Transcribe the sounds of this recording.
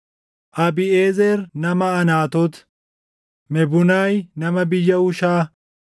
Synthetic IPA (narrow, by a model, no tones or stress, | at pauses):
ʔɐbɪeːzɛɾnɐmɐɐnaːt̪ɔt̪ | mɛbʊnajnɐmɐbɪjːɐʊʃaː